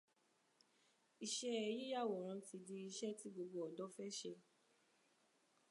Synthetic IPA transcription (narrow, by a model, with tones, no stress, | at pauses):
i˧˨ʃɛ˦ɛ˧ji˦ja˦˨wɔ˨ɾ̃ã˧˦ti˧di˧i˧ʃɛ˦ti˦ɡ͡bo˧ɡo˧ɔ˨dɔ˦fɛ˦ʃe˧